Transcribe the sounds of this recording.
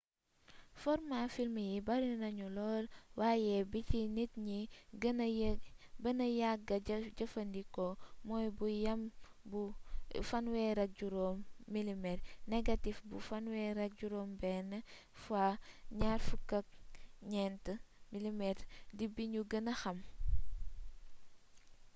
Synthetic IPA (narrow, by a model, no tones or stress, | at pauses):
fɔɾmafilməjibɐɾinɐɲulɔːlwajɛbicinitɲiɡɐn | bɐnɐjak̚ːɐɟɐfɐndikɔmɔːjbujɐm | bufɐnwɛːɾɐk̚ɟuɾɔmːilimɛtnɛɡɐtifbṵfɐnwɛɾɐk̚ɟuɾɔːmbɛnːə | faɲarfukɐk̚ɲɛntəmilimɛtdibiɲuɡɐnɐxɐm